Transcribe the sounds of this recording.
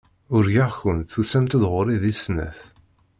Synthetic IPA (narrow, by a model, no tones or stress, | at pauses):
ʊɾʝaʁçənθusæmt̪əðʁʊɾiðisnæ̰θ